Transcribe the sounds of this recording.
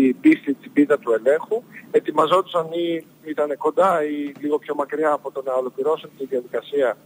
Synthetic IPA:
ibist̪it̪ibit̪ɐt̪ue̞le̞ŋxue̞t̪imɐzo̞t̪u̥sɐni | it̪ɐne̞ko̞nd̪ɐiliɣo̞pço̞mɐkɾiɐːpo̞t̪onɐo̞lo̞kliɾo̞sont̪iðiɐðikɐsiɐ

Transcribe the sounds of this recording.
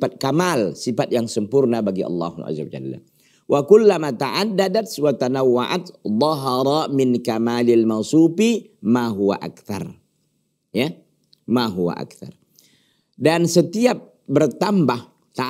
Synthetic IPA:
at̪̚kamalsifat̪̚jaŋsəmpurnabaɡiʔɑ̰lːɑ̰hʔa̰zːawad͡ʒa̰lːa̰ | wʔakulːamat̪aʕad̪ːadat̪wat̪anawːa̰ʔa̰t̪ðˤɑɦɑɾˤamɪnkamalɪlmansupi | maɦuwa̰ʔa̰kθa̰r | ja | maɦuwa̰ʔa̰k̚θa̰r | dansət̪iap̚ | bərt̪ambah | t̪a

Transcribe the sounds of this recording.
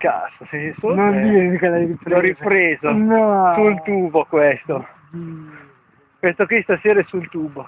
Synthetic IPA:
ka̰sosesonod̪inimkelajɾipɾɔɾipɾeːzonɔsult̪uːbokwest̪o | pensokwist̪aseːɾaɛsult̪uːbo

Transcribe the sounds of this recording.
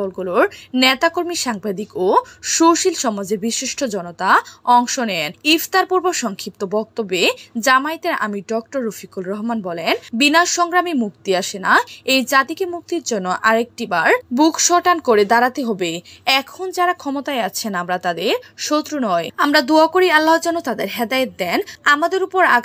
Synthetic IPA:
ɔlɡuloɾnet̪akoɾmiʃaŋbad̪ikoʃoʃilʃɔmod͡ʑebiʃiʃʈʰod͡ʑɔnot̪aɔŋʃonɛenift̪aɾpuɾboʃɔŋkʰip̚t̪obɔk̚t̪obːed͡ʑamaet̪eɾa̰miɖɔk̚ʈoɾːofikulɾɔɦmanbɔlenbinaʃɔŋɡɾamimuk̚t̪iaʃenaejd͡ʑat̪ikemuk̚t̪iɾd͡ʑonːoʔaɾek̚ʈibaɾbukʰʃɔʈankoɾed̪aɾat̪eɦɔbeɛkʰond͡ʑaɾakʰɔmot̪aeat͡ɕʰenamɾat̪ad̪eɾʃot̪ːɾunɔeamɾad̪uakoɾialːaɦd͡ʑɔnːot̪ad̪eɾɦɛd̪aet̪̚d̪ɛnamad̪eɾupoɾa

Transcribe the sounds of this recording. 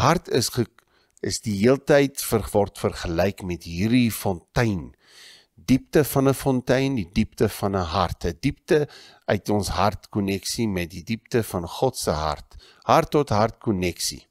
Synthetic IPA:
ɦɐrtʰəsχə | əsdiɦiəlˠtəjtfərvɔrtfərχəlɛjkmɛtɦiːrdifɔntəjn | diptəfɐnəfɔntɛjndidiptəfɐnəɦɐrtʰədip̚tə | œɥtɔnsɦɐrtkɔnɛksimɛt̚didip̚təfɐnχɔtsəɦɐ̰rt | ɦɐrtːɔtɦɐrt̚kɔnɛksḭ

